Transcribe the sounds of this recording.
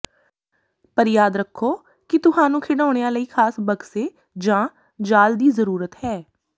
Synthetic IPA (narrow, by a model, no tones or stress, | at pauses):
pəɾjaːd̪ɾəkʰːoː | kɪt̪ʊhãːnũːkʰɪɽaːɽ̃eːãːləiːkʰaːsbəɡseː | d͡ʒãː | d͡ʒaːld̪iːzəɾuːɾət̪ɦɛː